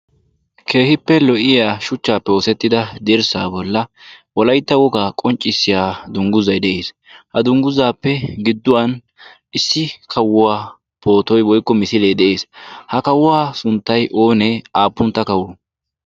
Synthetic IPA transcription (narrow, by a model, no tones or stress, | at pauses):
kʰe̞ːhɪpːɛlɔʔɪjaːʃʊt͡ʃːaːpːɛoːsɛt̪ːɪd̪ɐd̪ɛɾsa̰ːbɔlːɐwɔlɐjt̪ːɐwɔɡaːkʼɔnt͡ʃʼːɪsːɪjaːd̪ʊŋɡʊzɐjd̪ɛʔeːs | hɐd̪ʊŋɡʊzaːpːɛɡɪd̪ːʊwɐn | ʔɪsːɪkʰɐwːʊwaː | po̞ːt̪ɔjwɔjkːɔmɪsɪleːd̪ɛʔe̞ːshɐkɐwʊwaːsʊnt̪ːɐjʔo̞ːnɛaːpːʊnt̪ːɐkɐwʊ